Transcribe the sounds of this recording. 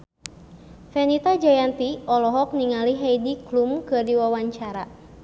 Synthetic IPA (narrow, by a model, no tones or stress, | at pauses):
fɛnit̪ad͡ʒajant̪iɔlɔɦɔk̚niŋaliɦɛjdiklumkɨrdiwawaɲt͡ʃaɾa